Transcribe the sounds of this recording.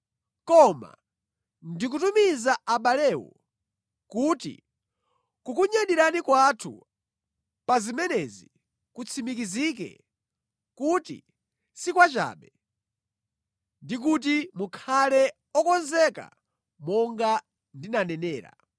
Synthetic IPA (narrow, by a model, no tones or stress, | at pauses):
kɔma̰ | ndik̬utumizaʔaɓalɛwɔ̰ | kutḭ | kukuɲaɗiɾanikwatʰṵ | pazimɛnɛzi | kut͡sʰimikizik̬ɛ̰ | kutḭ | sikwat͡ʃa̰ːɓɛ | ndik̬ut̬imukʰalɛ | ɔkɔnzɛka̰ | mɔŋɡa | ndinanɛnɛːɾa̰